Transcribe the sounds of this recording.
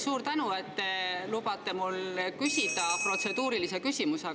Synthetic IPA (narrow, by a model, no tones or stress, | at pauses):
suːɾt̪ænue̞t̪ːelubɑt̪ːˑe̞mulkysʲid̪̥ɑpro̞t̪se̞d̪uːɾilise̞kysʲimuse